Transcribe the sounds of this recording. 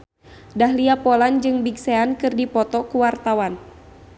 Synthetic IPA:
dahliapɔland͡ʒɨŋbiɡseankɨrdipɔt̪ɔkuwart̪awan

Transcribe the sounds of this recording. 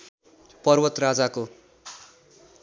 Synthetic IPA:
pʌrwʌt̪rad͡zako

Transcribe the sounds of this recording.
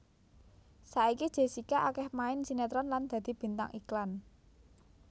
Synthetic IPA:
saikid̥ʒ̥e̤sikaʔakɛhmaɪnsinet̪ɾɔnland̪̥ä̤d̪̥i̤b̥i̤nt̪a̰ŋʔiklan

